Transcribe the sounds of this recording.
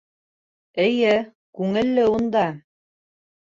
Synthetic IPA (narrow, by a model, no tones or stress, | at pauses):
ɘ̆jɘ | kʉŋɘ̆lːɘund̪ɑ